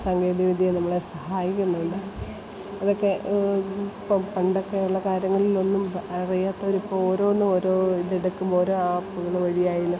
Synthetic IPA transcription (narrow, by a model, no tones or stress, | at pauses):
sɐŋɡeːd̪iʋid̪ʱijenɐmːɐɭesɐhaːjikʲːunːɐðuɳɖɨ | ɐðokːe̞ | pːompɐɳɖokːeuɭːɐkaːɾjɐŋːɐɭilo̞nːumɐrijaːt̪ːɐoɾipːooːɾo̞ːnːumo̞ːɾo̞ːidiɽɐkːumo̞ːɾoːaːpːuɣɐɭeʋɐɻijaːjilɐ